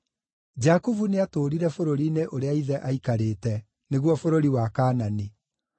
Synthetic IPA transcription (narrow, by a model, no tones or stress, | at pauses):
d͡ʑakuvuneatoːɾiɾɛfoɾoɾiːneʔoɾeaiðɛʔaikaɾeːtɛ | neɣwɔfoɾoɾiwakaːnani